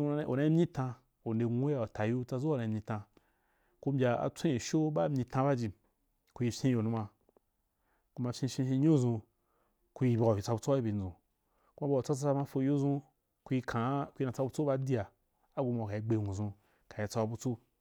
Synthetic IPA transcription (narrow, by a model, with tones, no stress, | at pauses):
u˧˦o̰˨nã˧˦i˦mɲĩ˦tã˧ | o˨nde˧ŋu˦a˨o˨ta˨jo˦t͡sa˧zo˦˨nã˧i˧mʲɲĩ˧tã˧ | ko˦m˦bʲa˧a̰˨t͡sʷẽ˦i˨ʃo˦ba˦mʲɲĩ˧˨tã˧ba˦d͡ʒi˨ | ku˧ji˧fʲẽ˦jo˨nũ˦ma˧ | ku˦ma˧fʲĩ˦ʃʲĩ˦ĩ˧˦ɲo˦˨zũ˧ | ku˧ji˧˨bʲi˨a˨i˨a˧bu˧t͡so˦a˦i˦bʲi˨nd͡zũ˨ | ku˦ma˦bʲa˨o˨t͡sa˦t͡s̬a˦t͡sa˦ma˧fo˧˦jo˦zũ˦ | ku˧i˧kʰã˨ku˦i˧na˨t͡sa˧bu˧t͡so˦ba˧di˦a˨ | a˦ɡʷu˧ma˨ka˨i˦ɡ͡be˨˧˨ŋʷũ˨zũ˧ | ka˨ji˧t͡sa˧wa˧bu˧t͡so˦